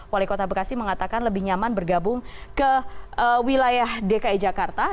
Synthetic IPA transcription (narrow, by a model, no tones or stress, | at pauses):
walikot̪abəkasiməŋat̪akanləbɪhɲamanbərɡabʊŋkəəwilajahdekaid͡ʒakart̪a